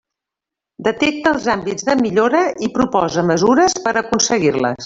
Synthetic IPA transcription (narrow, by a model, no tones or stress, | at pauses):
d̪ət̪ɛk̚t̪əəlˠzambid͡zðəmiʎoɾəʔipɾupɔzəməzuɾəspəɾəkunsəɣirlə̰s